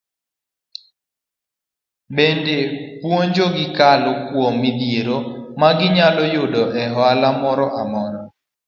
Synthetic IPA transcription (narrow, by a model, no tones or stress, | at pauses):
bendepwoɲd͡ʒoɡɪkalokwomːɪd̪jeɾomaɡɪɲalɔjʊdɔʔɛɦɔalamɔɾɔʔamɔɾɔ